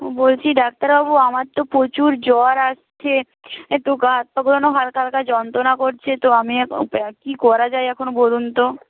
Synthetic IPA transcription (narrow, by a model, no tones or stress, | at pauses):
bolt͡ɕʰiɖak̚t̪aɾbabuamaɾt̪opot͡ɕuɾd͡ʑɔɾaʃt͡ɕʰe | et̪okaɦat̪̚paɡulonoɦalkalkad͡ʑɔnt̪ɾonakoɾt͡ɕʰet̪oamiɛ̰kikɔɾad͡ʑajɛkʰonobolunt̪o